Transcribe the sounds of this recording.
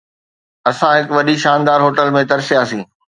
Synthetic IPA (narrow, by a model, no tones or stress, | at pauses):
ɐsãɦɪkʋɐɗiʃaːnd̪aːɾɦoːʈəlmẽt̪ɐɾsijaːsĩː